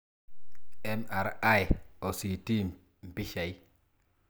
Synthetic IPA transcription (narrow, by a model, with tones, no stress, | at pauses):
e˦ma˨ɾa˦jo˨si˨ti˦ | m̩˨pi˦ʃa˨j